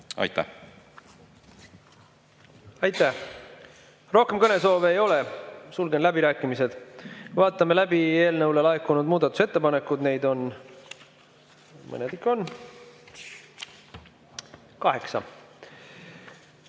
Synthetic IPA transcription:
ɑ̰jt̪ːæ̰h | ɑjt̪ːˑæh | ro̞hke̞mkɤne̞so̞ːveːjo̞le̞sulɡe̞nlæbiɾæːkːˑimise̞d̪̥vɑːt̪ːˑɑme̞læbie̞ːlnɤwlelɑekːˑunud̪muːd̪ɑt̪ːˑu̥se̞t̪ːe̞pɑne̞kːˑud̪ne̞jd̪o̞n | mɤ̰ned̪ikːo̞nː | kɑɦe̞ksɑ̰

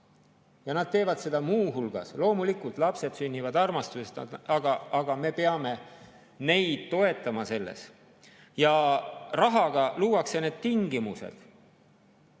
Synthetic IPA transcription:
jɑnɑd̥̪̚t̪e̞ːvɑd̪̥se̞d̪̥ɑmuːɦulɡ̥ɑ̰slo̞ːmulikult̪ˑlɑpse̞d̪synʲːivɑd̪ɑrmɑst̪usest̪ɑɡɑɑɡ̥ɑme̞pe̞ɑme̞ | ne̞jd̪̥̚t̪o̞e̞t̪ːˑɑmɑse̞lːḛs | jɑrɑɦɑɡ̥ɑluːwɑkse̞ne̞ːd̪̥t̪iŋɡ̥imusḛd̪̥

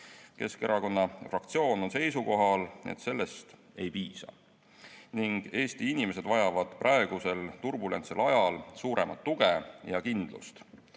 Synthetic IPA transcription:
ke̞ske̞ɾʔɑko̞nːɑfrɑkt̪sio̞ːno̞nse̞jsuko̞ɦɑlḛt̪se̞lːe̞st̪ | e̞jpiːsɑ̰ | niŋɡ̥e̞ːst̪iinime̞se̞d̪vɑjɑvɑd̪̥prʔɑe̞ɡ̥use̞lt̪urbule̞nt̪selɑjɑlsuːɾe̞mɑt̪ːuɡ̥ejɑkind̪̥lṵst̪

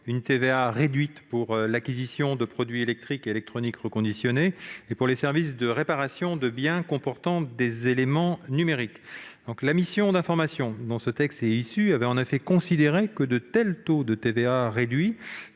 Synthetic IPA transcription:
ynt̪eveaʁed̪ɥit̪puʁlakʲizisjɔ̃d̪əpχɔd̪ɥielɛk̚t̪χikelɛk̚t̪χɔnikʁəkɔ̃d̪isjɔneːpuʁlesɛʁvisd̪əʁepaʁasjɔ̃d̪əbjɛ̃kɔ̃pɔʁt̪ɑ̃d̪ezelemɑ̃nymeʁikd̪ɔ̃klamisjɔ̃d̪ɛ̃fɔʁmasjɔ̃d̪ɑ̃sət̪ɛkst̪eisyavɛɑ̃nefɛkɔ̃sid̪eʁekəd̪ət̪ɛlt̪od̪ət̪eveaʁed̪ɥi

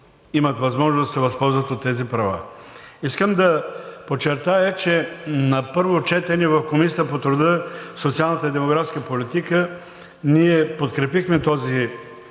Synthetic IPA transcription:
imɐt̪vɐzmɔʒnozd̪ɐsɛvɐspɔlˠzvət̪ot̪ːɛzipɾɐva̰iskəmd̪ɐpot͡ʃːɛɾt̪ajət͡ʃɛnɐpɤɾvot͡ʃɛt̪ɛnivɐfkomisʲiəpot̪ɾʊd̪əsot̪sialˠnət̪əid̪ɛmoɡɾafskəpolit̪ikə | niɛpot̪kɾɛpixmɛt̪ɔzi

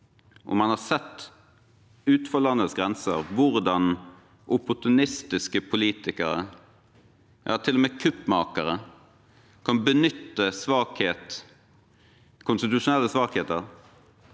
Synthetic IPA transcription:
ʔɔ̰mɑnhɑɾsɛt̪ː | ʉːt̪fɔlɑnːəlsɡɾɛnsə̰ɾʋʊɾd̪ɑn | ʔʊpʊʈ̪ʊnɪst̪ɪskəpʰʊliːt̪ɪkəɾə̰ | jɑ̰ːt̪ʰɪlɔmeːkʰʉpmɑ̰ːkəɾə | kʰɑnbənʏt̪ːəsʋɑːkheːt̪ | kʰʊnst̪ɪt̪ʉʂʊnɛlːəsʋɑːkheːt̪əʁ

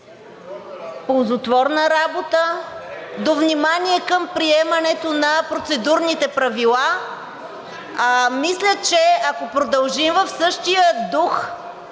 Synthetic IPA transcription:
polˠzot̪vɔɾnəɾabot̪ə | d̪ovnimaniɛkəmpɾiɛmɐnɛt̪onɐpɾot̪sɛd̪uɾnit̪ɛpɾɐvilˠa | mislʲət͡ʃɛɐkopɾod̪ɐlˠʒimvəfsɤʃt̪ijəd̪ux

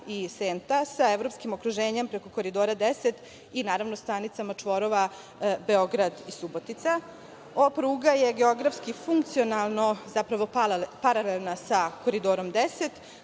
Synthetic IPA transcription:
iseːnt̪asaevɾo̞pskimokɾuʒeːɲempɾe̞ko̞ko̞ɾid̪o̞ːɾad̪eset̪ | inaːɾaʋnost̪anit̪samat͡ʂʋo̞ɾoʋa | be̞o̞ɡɾad̪isubo̞t̪it̪sa | opɾuːɡaje̞ɡeo̞ɡɾafskifuŋk̚t̪sionalˠno̞zapɾaʋo̞paɾalelˠnasako̞ɾid̪oːɾo̞md̪eset̪

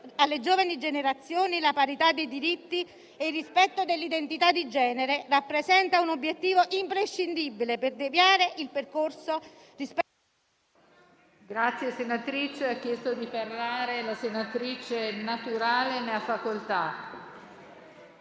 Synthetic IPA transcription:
alːed͡ʒoːvanid͡ʒeneɾat̪sːjoːnilapaɾit̪ad̪ːejd̪iɾit̪ːi | eirːispɛt̪ːod̪elːid̪ent̪it̪ad̪ːid͡ʒɛːneɾerapːɾesɛnt̪aunobːjet̪ːiːvoʔimpɾeʃːind̪ibileperd̪evjaːɾeʔilperkorso | risp | ɡɾat̪sːjesenat̪ɾit͡ʃeakːjɛst̪od̪iferːaːɾelasenat̪ɾit͡ʃenat̪uɾaːleneafːakolt̪a

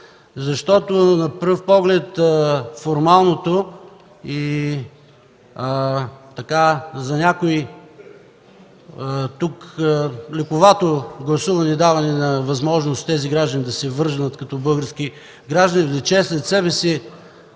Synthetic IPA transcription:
zɐʃt̪ɔt̪onɐpɾɤfpɔɡlɛt̪əfoɾmalˠnot̪o | i | t̪ɐkazɐnʲakoi | t̪uk | lɛkʊvat̪oɡlˠɐsuvɐnɛd̪avɐnɛnɐvɐzmɔʒnost̪t̪ːɛziɡɾaʒd̪ənid̪ɐsɛvɤɾʒənət̪kɐt̪ɔbɤlˠɡəɾski | ɡɾaʒd̪ɐnid̪ɐt͡ʃɛslɛt̪sɛbɛsi

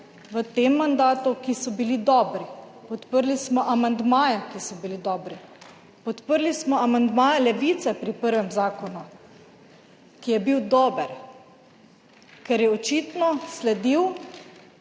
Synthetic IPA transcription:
ʋət̪emːand̪aːt̪ukisɔbilid̪ɔːbɾipɔt̪pəɾlismɔʔamand̪maːjɛkisɔbilid̪ɔːbɾi | pɔt̪pəɾlismɔamand̪maːjalɛʋiːt̪sɛpɾipəɾʋɛmzaːkɔnu | kijɛbiwd̪ɔːbɛɾ | kɛɾjɛɔt͡ʃiːt̪nɔslɛd̪iw

